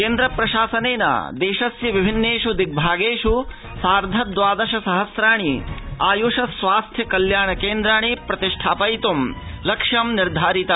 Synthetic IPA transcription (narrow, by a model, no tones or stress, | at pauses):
keːnd̪ɾɐpɾɐʃaːsɐneːnɐ̰d̪eːʃɐsjɐʋibʱinːeːʂud̪ik̚bʱaːɡeːʂu | saːɾd̪ʱɐd̪ʋaːd̪ɐʃɐsɐɦɐsɾaːɳiaːjuːʂɐsʋaːst̪ʰjɐkɐljaːɳɐkeːnd̪ɾaːɳipɾɐt̪iʂʈʰaːpɐjt̪umlɐkʂjɐmniɾd̪ʱaːɾit̪ɐ